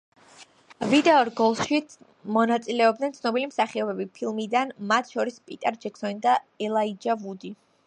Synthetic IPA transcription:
vid̪ɛɔɾɡɔlˠʃi | mɔnat̪sʼilɛɔb̚d̪nɛnt̪sʰnɔbilimsaχiɔbɛbipʰilˠmid̪anmat̪ʰʃɔɾispʼit̪ʼɛɾd͡ʒɛkʰsɔnid̪aɛlˠaid͡ʒavud̪i

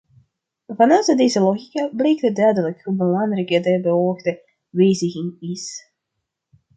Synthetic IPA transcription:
vɑnœwtədejzəlˠoɣikablejk̚dədœɥdələkubəlɑŋrɛkədɛbəoxdə | ʋejzɪɣɪŋis

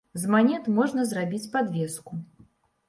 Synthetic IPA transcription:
zmanʲɛt̪mɔʐnɐzrabʲit͡sʲpad̪vʲɛsku

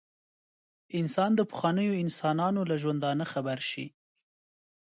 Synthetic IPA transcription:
ɪnsɑnd̪əpə̥xwɑnəjoɪnsɑnɑnolaʒwand̪ɑnəxabaɾʃḭ

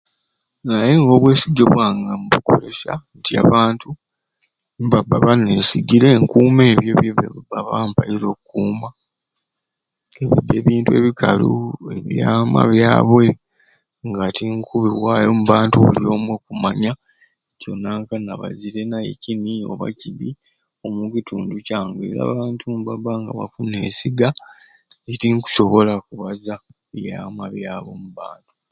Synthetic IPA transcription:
najeŋɡo̞ːβwe̞ːsiɡeβwaːŋɡamuβuko̞ɾe̞ʃa̰ntia̰βaːntu | mbabaβaneːsiɡiɾe̞ŋkuːme̞ːβjo̞βjeβeββaβaːmpajiɾo̞ːkukuːma | eβideːβiːntue̞βikalṵeβjaːma̰βjaːβwe̞ | ŋɡatiŋkuβiβwaːjo̞muβaːntuβṵljo̞ːmwekumaɲa | co̞nːaŋkanaβa̰ziɾe̞najḛcinio̞̰βa̰ciβi | o̞mucitʰuːnducaːŋɡḛɾa̰ːβaːntʰumbabaŋɡaβafune̞̰ːsiɡa | itiŋku̥so̞βo̞lakuβaza | βjaːmaβjaːβwo̞muβaːntu̥

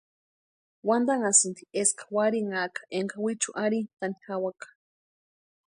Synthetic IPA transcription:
wand̪aŋasɨnd̪ieskḁwaɾiŋakḁʔeŋkawit͡ʃuʔaɾit̪anixawakḁ

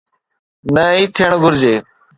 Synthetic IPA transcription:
nəːiːt̪ʰiːɳɡʱʊɾd͡ʒeː

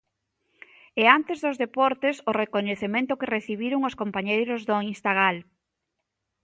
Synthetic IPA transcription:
ɛant̪ezðozðepɔɾt̪esorekoɲeθemẽnt̪ʊkereθiβ̞iɾʊŋoskompaɲejɾʊzðʊinst̪aɣ̞al

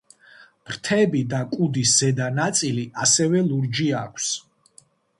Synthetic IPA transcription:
pɾt̪ʰɛbid̪akʼud̪isz̥ɛd̪anat̪sʼiliʔasɛvɛlˠuɾd͡ʒiakʷʰs

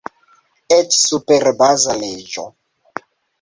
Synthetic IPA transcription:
et͡ʃsupeɾbazaled͡ʒo̰

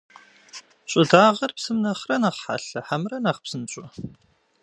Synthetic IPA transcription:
ɕʼʊdaːʁɐrpsɨmnɐχrɐnaːʁħa̰ɬɐħamrɐnaːχpsɨnɕʷʼɔ

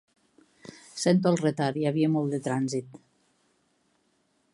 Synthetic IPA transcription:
sent̪̬oəlˠret̪aɾiaβiemɔlˠd̪et̪ɾanzit̪

